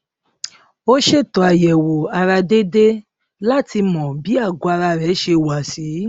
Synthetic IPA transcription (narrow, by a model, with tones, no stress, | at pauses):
o˦ʃe˦˨tɔ˨a˨jɛ˨wo˨a˧ɾa˧de˦de˦ | la˦˨ti˧mɔ̃˨bi˨˦a˦˨ɡʷa˧ɾa˧ɾɛ˨˦ʃe˧wa˨si˨˦